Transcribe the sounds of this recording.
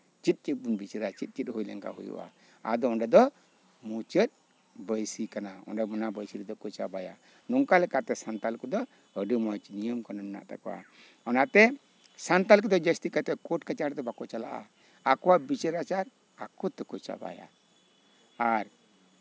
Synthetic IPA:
t͡ʃit̪̚ˀt͡ʃit̪̚bunbit͡ʃəɾat͡ʃit̪̚ˀt͡ʃit̪̚hujlɛ̰ŋka̰ɦṵjṵʔa̰ | a̰d̪ɔɔnɖɛd̪ɔ | mut͡ʃət̪̚ | bəjsikanaɔ̰nɖɛmunabəjsiɾɛd̪ɔkɔt͡ʃabaja̰ | nɔŋkalɛkat̪ɛsant̪alkɔd̪ɔ | əɖəmɔjt͡ʃinijəmkananɛna̰ʔt̪a̰kɔwa̰ | ɔnaʔt̪ɛ | sant̪alkɔd̪ɔd͡ʒəst̪ikat̪ɛkɔʈ̚kat͡ʃaɾd̪ɔbakɔt͡ʃala̰ʔa̰ | akɔwabit͡ʃəɾat͡ʃaɾ | akɔt̪ɛkɔt͡ʃa̰ba̰ja̰ | aɾ

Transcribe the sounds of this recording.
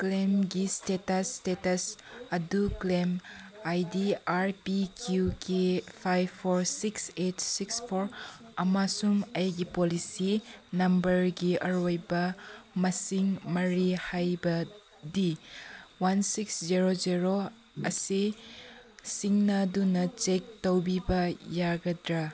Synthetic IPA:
klemɡistetɐstetɐsɐduklemajdiaɾpikʰjukʰepʰajbpʰːoɾsiksetsikspʰoɾɐmasumɐjɡipolisinɐmbɐɾɡiʔɐɾojbɐmɐsiŋmɐɾihajbɐ | di | wansiksziɾoziɾo | ɐ̰si | siŋnadunɐt͡ʃek̚towbibɐjaɡɐdɾa

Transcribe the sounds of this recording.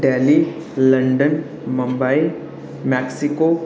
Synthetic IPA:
ɖeli | ləɳɖən | məmbai | mɛksiko

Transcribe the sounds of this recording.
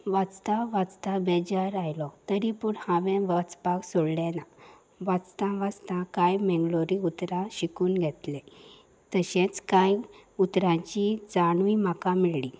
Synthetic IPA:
ʋat͡st̪aʋat͡st̪abɛd͡ʑaɾajlɔt̪əɾipuɳhãʋɛ̃ʋat͡spaksoɽlɛ̃na | ʋat͡st̪ãʋat͡st̪ãkajmɛŋɡɭoɾiut̪ɾãɕikuːnɡʱɛt̪lẽ | t̪əɕɛ̃t͡skajut̪ɾãɲt͡ɕid͡zaɽ̃uimakãmiɭɭi

